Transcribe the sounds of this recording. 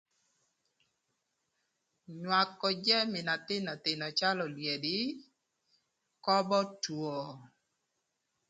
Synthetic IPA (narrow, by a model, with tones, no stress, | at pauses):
ɲwa˨kːɔ˨d͡ʒɛ˦mɪ˨na˨t̪ɪ˦na˨t̪ɪ˨nɔ˨t͡ʃa˦lɔ˨lwje˨dɪ˦ | kɔ˦bɔ˦two˨